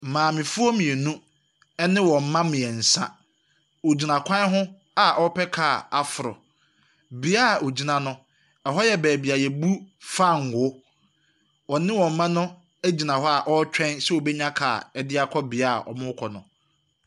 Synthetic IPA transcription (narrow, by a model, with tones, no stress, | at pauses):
mãː˨mɪ̃˨fʊ˦o˦mĩ˨e˨nũ˦ | ɛ˦nɪ̃˦wɔ˨m̩˨mã˦mɪ̃˨ɛ˨n̩˨sã̰˦ | o˨d͡ʑi˨nã˨kʰʷã˦ɦʊ̃˦ | a˨ʔɔ˦pʰɛ˦kʰaː˦˨a˨fʊ˨ɾʊ̰˨ | bi˦a˦˨ʔo˨d͡ʑi˨nã˨nʊ̃˦ | ɛ˨ɦɔ˦jɛ˦bæː˨bi˨a˨jɛ˨bu˦fa˦˨ŋ̩˨ɡʊ˨˦ | wɔ˨nɪ̃˦wɔ̃˨m̩˨mã˦nʊ̃˦ | æ˦d͡ʑi˨nã˨ɦɔ˦a˨ʔɔ˦t͡ɕᶣɛ̃˦nsɛ˦o˨bɛ˦ɲã˦kʰa̰ː˨ɛ˦dɪ˦a˨kʰɔ˦bɪ˨a˦˨ʔɔ̰˨mʊ̃˦kʰɔ˨nʊ̃˨